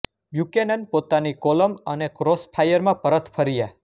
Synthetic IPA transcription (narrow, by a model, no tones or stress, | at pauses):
bjukenənpot̪anikoləmənekɾospʰajəɾmãpəɾət̪ʰpʰəɾija